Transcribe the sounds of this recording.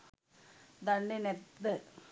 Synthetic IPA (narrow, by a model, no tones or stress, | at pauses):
d̪ɐɳɖinet̪ːɨ